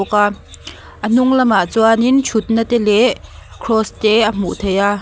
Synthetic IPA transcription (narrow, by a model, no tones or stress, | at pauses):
ka | ʔən̥uŋlɐmat͡swanint͡ʃʰut̪̚nət̪ɛlɛəkʰɾɔst̪ɛʔəm̥uʔt̪ʰeja